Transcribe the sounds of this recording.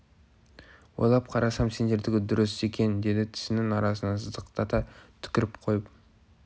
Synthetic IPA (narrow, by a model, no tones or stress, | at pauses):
wo̰lˠɑp̚qʰɑɾɑsɑmse̞nd̪e̞ɾd̪ɪɡʲɪd̪ʊɾəse̞kʲe̞nd̪e̞d̪ɪt̪ʰɪ̥sɪnɪŋɑɾɑsənɑsəzd̪əqt̪ɑt̪ɑt̪ʰʏ̥kʲɪɾɪpqʰo̞jəp̚